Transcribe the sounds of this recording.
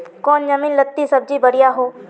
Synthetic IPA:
kɔːnd͡ʒɐmiːnlət̪ːisɐb̚d͡ʒibɐɽɪjaɦoː

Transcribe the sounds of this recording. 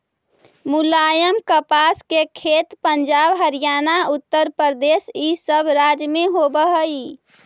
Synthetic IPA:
mulajəmkəpaskekʰet̪pəɲd͡ʒaːbɦəɾijanaʊt̪ːəɾpəɾd̪eːsisəbʱɾad͡ʒmẽɦobəɦəi

